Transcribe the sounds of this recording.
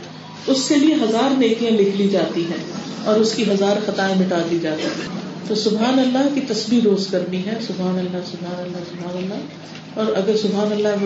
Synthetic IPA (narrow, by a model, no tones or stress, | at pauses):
ʊskelieɦɐzaːɾneːkijãlɪkʰlid͡ʒaːt̪iɦɛ̃ːɔːɾʊskiɦɐzaːɾxɐt̪aːẽmɪʈaːd̪lid͡ʒaːt̪iɦɛ̃ːt̪oːsʊbɦaːnɐlːakit̪ɐsbiɾoːzkɐɾniɦɛ̃sʊbɦaːnɐlːasʊbʱɦaːnɐlːasʊbʱɦaːnɐlːa | ɔːɾɐɡəɾsʊbʱɦaːnɐlːa